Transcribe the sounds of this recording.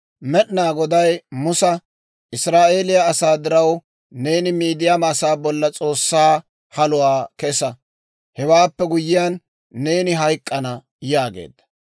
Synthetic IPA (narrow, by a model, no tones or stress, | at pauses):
mɛɗnaːɡɔd̪ɐjmʊsɐ | ʔɪsɾaːʔe̞ːlɪjaːsaːd̪ɪɾɐw | ne̞ːnɪmiːd̪ɪjamaːsaːbɔlːɐt͡sʼo̞ːsːaː | hɐlʊwaːkɛsɐ | hɛwaːpːɛɡʊjːɪjanː | e̞ːnɪɦɐjkʼːɐnɐ | jaːɡḛːd̪ːɐ̥